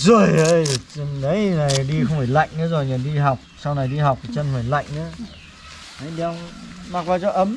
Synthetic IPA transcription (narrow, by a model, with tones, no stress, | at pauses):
zɔ˨˩jə˧˦jt͡ɕə˧nɗə˨˦jna˨˩jɗi˧xə˧wŋ͡mfa˧˩jla̰˧˨jŋ̟na˨˦zo˨˩jɲa˨˩ɗi˧ɦa˨˩wk͡p̚sa˧wna˨˩jɗi˧ɦa˨˩wk͡p̚tt͡ɕə˧nfaː˧˩jla̰˧˨jŋ̟ʔa̰ː˨˦ | a˨˧˦jɗma˨˩k̚vaː˨˩wt͡ɕɔ˧ʔə˨˦m